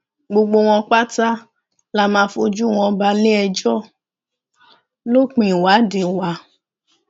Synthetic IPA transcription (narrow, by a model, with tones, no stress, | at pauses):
ɡ͡bo˧ɡ͡bo˧w̃ɔ̃˧k͡pa˦ta˦ | la˧˦mãː˧˦fo˧d͡ʒu˦˨w̃ɔ̃˧ba˧le˦ɛ˧d͡ʒɔ˦˨ | lo˦k͡pĩ˨wa˨˦de˨wa˨˦